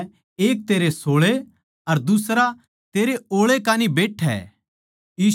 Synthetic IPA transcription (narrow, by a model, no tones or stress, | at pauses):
eːk̚t̪eːɾesoːɭe | ɐɾd̪ʊsɾa | t̪eːɾeoːɭekaːnibeːʈʰɛ̰ː | jiː